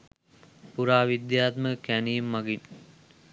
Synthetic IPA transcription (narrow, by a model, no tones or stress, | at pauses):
puɾaːʋid̪jaːt̪məkænijemːaɡin